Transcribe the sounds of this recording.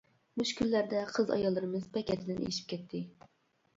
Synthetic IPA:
muʃkʲylːæɾd̪ɛqʰəzɑ̰jɑlˠːɨɾɨmɨzpʰɛkʲɛt̪ʰɪd̪ɪnʔḛʃi̥p̚kʲɛt̪ʰːɪ

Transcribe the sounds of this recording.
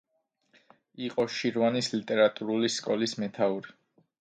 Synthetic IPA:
iqʼɔʃiɾvanislit̪ʼɛɾat̪ʼuɾuliskʼɔlismɛt̪ʰauɾi

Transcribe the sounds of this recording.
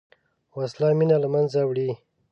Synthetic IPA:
waslɑminalamanzawɽi

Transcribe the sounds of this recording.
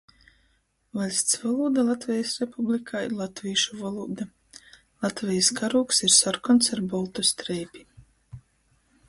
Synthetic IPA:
valʲsʲt̪svalˠuːd̪alˠat̪vʲɛjasɾepublʲikʰaiɾlˠat̪vʲiːʃuvalˠuːd̪a | lˠat̪vʲɛjskaɾuːksiɾsaɾkɔnt̪saɾbɔlˠt̪ust̪ɾɛjpʲi̥

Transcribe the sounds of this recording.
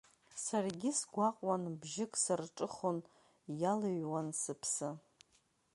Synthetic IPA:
sarɡʲɪsɡʷaqʼwanbʒɪkʼsɨrʈ͡ʂʼɨχon | jalaɥwansɨpʰsɨ

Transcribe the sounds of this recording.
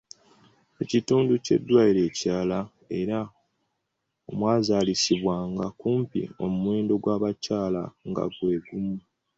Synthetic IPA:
ecituːnduce̞̰dːwaːiɾe̞ːcaːla | e̞ɾa | o̞mwaːzaːlisiβwaːŋɡakuːmpḭo̞̰mumwe̞ːndo̞ɡwaːβacaːla̰ŋɡa̰ɡwe̞ːɡumu

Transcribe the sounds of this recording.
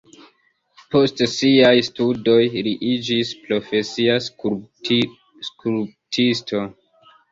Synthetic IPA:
po̞stsiajstudo̞jɾiʔid͡ʒispɾo̞fe̞sia | skuɾtʰisto̞

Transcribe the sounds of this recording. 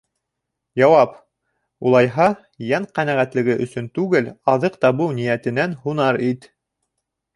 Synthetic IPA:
jɑwɑp | ulˠɑjɦɑ | jɑɴqænæʁæt̪lɘ̆ɡɘʔɵ̆sɵnt̪ʉɡɘlɑðɤqt̪ɑβɤwnijæt̪ɘ̆nænhunɑɾit̪

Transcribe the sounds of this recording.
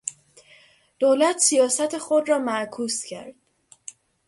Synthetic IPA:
d̪̥oːlæt̪ʰsijɒːsæt̪ʰexod̪rɒːmækʰuːscʰæ̰ɾd̪̥

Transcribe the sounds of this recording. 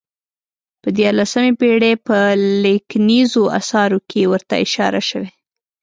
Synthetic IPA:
pəd̪jɑɾlasəmepeɽepəleknizoa̰sɑɾokʰewəɾt̪a̰ɪʃɑ̰ɾa̰ʃəwe

